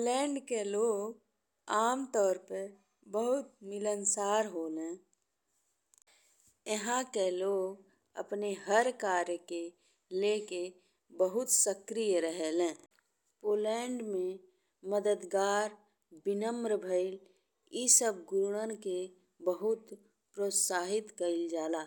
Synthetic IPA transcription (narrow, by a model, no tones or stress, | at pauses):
pːlɛːɳɖkeloːɡ | aːmt̪ɔːɾpəɾ | bəɦʊt̪mɪlənsaːɾɦoːlẽ | jəɦãkeloːɡ | ə̰pneɦəɾkaːɾjke | leke | bəɦʊt̪səkɾijəɾəɦɛlẽː | poːlɛːɳɖmẽ | məd̪əd̪ɡaːɾ | bɪnəmɾəbʱəɪl | isəb̚ɡʊɾuɽənke | bəɦʊt̪ | pɾoːt̪saːɦɪt̪kəɪld͡ʒaːlaː